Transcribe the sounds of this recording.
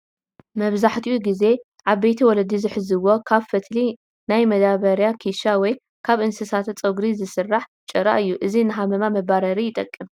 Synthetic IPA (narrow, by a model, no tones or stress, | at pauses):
mɐβzaħt̪ʰiʔuɡize̞ | ʕaβbejt̪ʰiwɔlɐd̪izɨħɨzɨwo̞kʰaβfɨt̪ʰli | najmɐd̪aβɐɾjakʰiʃawɔj | kʰaβʔɨnsɨsat̪ʰɐt͡sʼɐɡɾizɨsɨrːaħt͡ʃʼɐɾa̰ʔɨjːuʔɨzinɨɦamɐmamɐbaɾɐɾijɪt̪ʼɐkʼːɨm